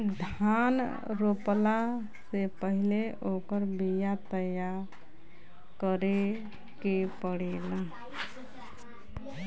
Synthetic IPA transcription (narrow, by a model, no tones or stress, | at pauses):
d̪ʱan | ɾopla | sepəɦileʔokəɾbijat̪əjaɾ | kəɾe | kepəɽela